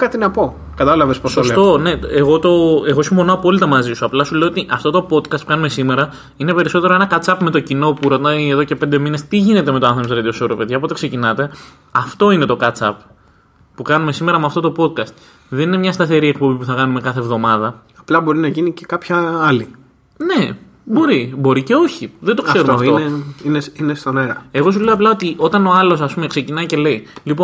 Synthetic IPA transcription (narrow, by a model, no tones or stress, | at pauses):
kɐt̪inɐpo̞ | kɐt̪ɐlɐvesposɐolset̪o̞ne̞eɣo̞t̪o̞e̞ɣo̞simpo̞noɐpo̞lit̪ɐmɐzisuɐplɐsule̞oot̪iʔɐft̪o̞t̪o̞po̞t̪kɐst̪pu̥kɐnume̞sime̞ɾɐ | ine̞pe̞ɾiso̞t̪e̞ɾo̞e̞nɐkɐt͡sɐpme̞t̪o̞cino̞puɾo̞t̪ɐje̞ðo̞ce̞pe̞nd̪e̞mine̞st̪iʝine̞t̪e̞me̞t̪oɐnθemt̪ɾed̪iosoɾopeðʝɐpo̞t̪e̞kse̞cinɐt̪e̞ | ɐft̪o̞ine̞t̪o̞kɐt͡sɐp | pukɐnume̞sime̞ɾɐmeɐft̪o̞t̪o̞po̞t̪̚kɐst̪ | ðeninemɲɐst̪ɐθe̞ɾie̞k̚po̞bipuθɐkɐnumekɐθevðo̞mɐðɐ | ɐplɐbo̞ɾinɐʝinicekɐpçɐɐli | ne̞ | bo̞ɾibo̞ɾice̞o̞çiðed̪o̞kse̞ɾut̪meɐfoeineinest̪oneɾɐe̞ɣo̞suleoɐplɐo̞t̪iʔo̞t̪ɐno̞ɐlo̞s̬ɐspume̞kse̞cinɐice̞le̞ilipon